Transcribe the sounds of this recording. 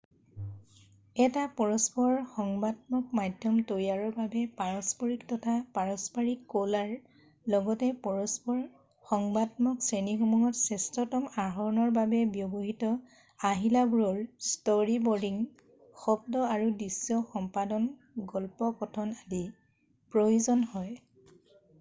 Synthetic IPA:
ɛtapɔɹɔspɔɹxɔŋbadmɔk̚madʱjɔmtojaɹɔɹbabɛpaɹɔspɔɹiktɔtʰapaɹɔspaɹikːolaɹ | lɔɡɔtɛpɔɔspɔɹ | xɔŋbadmɔksɹenixɔmuɦɔtsɛstɔtɔmaɦɔɹnɔɹbabɛbjɔboɦitɔ | aɦilabuɹɔɹstoɹibɔɹdiŋ | xɔb̚dɔaɹudisɔxɔmpadɔn | ɡɔlpɔkɔtʰɔnadi | pɹojuzɔnhɔj

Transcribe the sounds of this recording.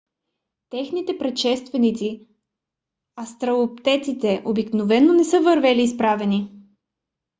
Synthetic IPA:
t̪ɛxnit̪ɛpɾɛt̪ʃɛst̪vɛnit̪si | ɐst̪ɾɐop̚t̪ɛt̪it̪ɛʔobiknovɛnːonɛsɤvəɾvɛliːspɾavɛni

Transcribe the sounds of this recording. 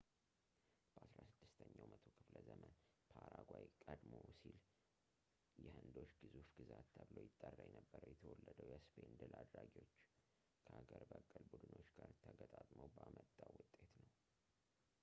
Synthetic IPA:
b̥əasɾasɨd̪̥ːɨst̪ʰəɲːawmʔət̪ʰo̞kʰɨfləzəmənpʰaɾaɡʷajkʼəd̪mosil | jɛhɨnd̪o̞ʃɡɨzufɡɨzat̪ːʰəβlojɪt̪ʼːərːajɛnəbːəɾəwjɛt̪ʰəwɔlːəd̪əwjɛspʰend̪ɨlʔad̪ɾaɡio̞t͡ʃː | kʰəhaɡəɾbəkʼːəlbud̪ɨno̞t͡ʃːɡaɾt̪ʰəɡət̪ʼat̪ʼməwbamət̪ʼːawʊt̪ʼːe̞t̪nəw

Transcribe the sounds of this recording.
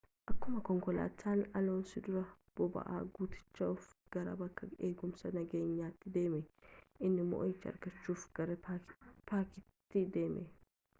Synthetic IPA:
ʔɐkːʊmɐkɔŋkɔla̰ːt̪ʰːaːnɐloːnsɪd̪ʊɾɐ | b̥ɔbɐ̰ʔa̰ːɡuːt̪ɪ̥t͡ʃːɐʊfɡ̥ɐɾɐ̰bɐkːɐeːɡʊmsɐnɐɡe̞ːɲːaːt̪ːɪd̪e̞ːmɛʔɪnːɪmɔ̰ʔjt͡ʃːɪɐ̰ɾɡɐt͡ʃːuːfɡɐɾɐpaːkɪt̪ːɪd̪e̞ːmʔɛ

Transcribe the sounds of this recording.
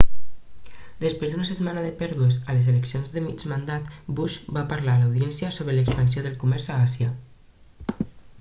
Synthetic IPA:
d̪əspɾezd̪unəsət̪manəðəpɛɾðuəzələzeləksionzðəmid͡ʒmand̪at̪buʃbapaɾlalawðiɛnsjəsoβɾələkspəns̬joðəlˠkumɛɾzaasjə

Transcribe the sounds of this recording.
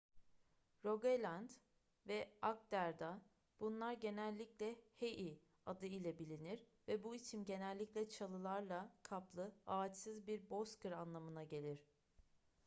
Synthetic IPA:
ɾoɡelʲand̪ | vɛak̚d̪æɾd̪a | b̥unlˠaɾɟe̞nælʲːiclʲɛheʔi | ad̪ɯilʲɛbilʲiniɾvɛbuisimɟe̞nælʲːicʲlʲɛt͡ʃʰalˠɯlˠaɾlˠakʰaplˠɯaːt͡ʃsɯzbiɾbo̞skɯɾanlˠamɯnaɟe̞lʲiɾ̥

